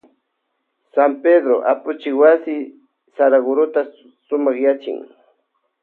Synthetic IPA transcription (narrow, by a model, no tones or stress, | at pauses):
samped̪ɾoʔapʊt͡ʃɪwasɪ | saɾaɡʊɾʊt̪a | sʊmɑχjat͡ʃɪ̰ŋ